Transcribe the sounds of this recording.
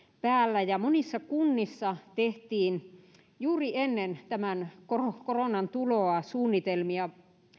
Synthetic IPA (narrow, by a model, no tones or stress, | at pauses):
pæːlːæjɑmonisːɑkunːisːɑt̪eht̪iːn | juːrienːent̪æmænkorokoronɑnt̪uloɑsuːnːit̪elmiɑ